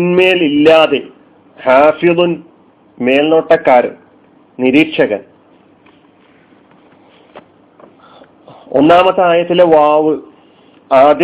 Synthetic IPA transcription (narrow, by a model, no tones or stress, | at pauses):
nme̞ːlilːaːðe | haːfiðun | me̞ːlnoːʈːɐkːaːɾɨ̰ | niɾiːʈʂɐɣɐ̰m | o̰nːaːmɐt̪ːaːjɐt̪ːileʋaːʋɨ | aːd̪j